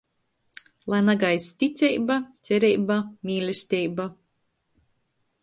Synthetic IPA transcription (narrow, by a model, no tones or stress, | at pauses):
lˠajnaɡajsʲt̪ʲit̪sʲɛjbat̪sʲɛɾʲɛjbamʲiːlʲusʲt̪ʲɛjba